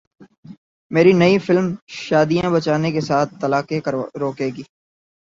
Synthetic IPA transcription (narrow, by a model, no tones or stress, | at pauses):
meːɾinɐifɪlmʃaːd̪ijãbɐt͡ʃaːnekesaːt̪̚ʰt̪ɐlaːkeɾoːkeːɡiː